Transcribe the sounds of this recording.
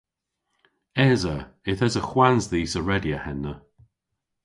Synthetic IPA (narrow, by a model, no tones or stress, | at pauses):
ɛzəɪθɛzəxwanzðiːsəɹɛdjəhɛnːə